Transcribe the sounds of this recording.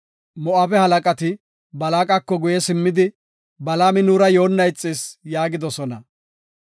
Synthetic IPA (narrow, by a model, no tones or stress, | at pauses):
mɔʔɐpɛhɐlɐkʼɐt̪ɪ | bɐlaːkʼɐkːɔɡʊjɛsɪmːɪd̪ɪ | bɐlaːmɪnuːɾɐjo̞ːnːɐjt͡sʼːɪsjaːɡɪd̪ɔsɔnɐ